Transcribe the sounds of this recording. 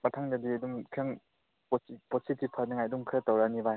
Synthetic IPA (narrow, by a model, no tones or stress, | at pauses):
mɐtʰaŋdadiɐduŋkʰiaŋ | pɔpɔsʰitipʰaniŋajduŋkʰɾɐtawɾanibaj